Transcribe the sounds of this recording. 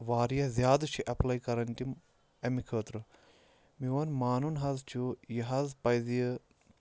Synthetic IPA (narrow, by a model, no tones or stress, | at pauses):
ʋaːɾijɐzʲjaːd̪t͡ʃʰiʔɐplɐjkɐɾɐnʈim | emikʰəːt̪ɾɨ | miʋɐnmaːnunɦɐzt͡ʃʰujiɦɐzpɐjzij